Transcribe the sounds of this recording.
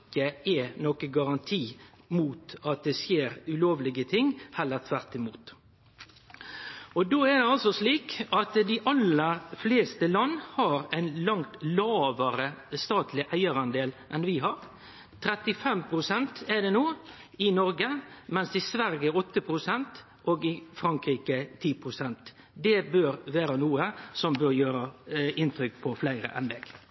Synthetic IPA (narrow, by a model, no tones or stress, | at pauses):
ɪkːəɛnɔkəɡɑɾɑnt̪ʰiː | muːt̪ɑt̪̚d̪ɛsjeːɾʉloːʋlɪɡət̪ʰɪŋhɛlːəɾt̪ʰʋæɾt̪ɪmuːt̪ | ɔd̪oːæd̪ɛɑlsɔsliːkɑt̪d̪ɪʔɑləɾfleːst̪əlɑnːhɑɾæɪnlɑŋt̪lɑːʋəɾəst̪ɑːt̪ʰlɪʔæɪəɾɑnd̪eːlʔɛnʋɪɦɑɾ | t̪ʰɾɛt̪ɪfɛmpʰɾʊsɛnt̪ɛd̪ɛnoːɪnɔɾɡəmɛnsd̪ɪsʋæɾjəɔt̪ːəpʰɾʊsɛnt̪ | ʔoːɡɪfɾɑŋkɾiːkət̪ʰiːpʰɾʊsɛnt̪ | d̪ɛbøɾʋeːɾənuːəsɔmbøɾjøːɾəʔɪnt̪ɾʏkpʰɔflæɪɾə̰ʔɛ̰nd̪ɛːɡ̥